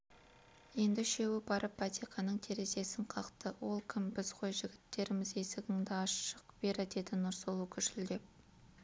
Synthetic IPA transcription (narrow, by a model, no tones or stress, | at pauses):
je̞nd̪ɪʃe̞wɪbɑɾəpːɑt̪eqɑnəɴt̪ʰe̞ɾe̞ze̞sɪɴqʰɑqt̪əwo̞lˠkʲʰɪmbɪz̥qʰojʒɪɡʲɪt̪ːe̞ɾɪmɪze̞sɪɡʲɪŋd̪ɪɑʃə̥qb̥e̞ɾɪd̪e̞d̪ɪnʊɾsəlˠukʲʰʏʃɪld̪e̞p̚